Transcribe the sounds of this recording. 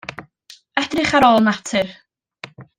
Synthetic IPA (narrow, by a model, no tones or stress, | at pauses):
ɛd̥rɪχaɾɔlˠnatʰɨr